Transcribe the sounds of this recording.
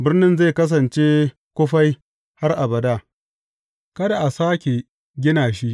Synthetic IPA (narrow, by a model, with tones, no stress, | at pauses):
bɪ˦rnɪ˦nza˦˨kɐ˦s̬ɐ˨nt͡ʃeː˦ | kʷʊ˦ɸa˦j | ha˦rʔa˨bɐ˨daː˦˨ | kɐ˦da˨ʔa˨saː˦kʲe˨ | ɡʲɪ˦naː˨ʃi˦ʔ